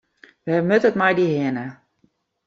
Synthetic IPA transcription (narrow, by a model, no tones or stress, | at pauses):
ʋɛmøtətmɛjdihɪənə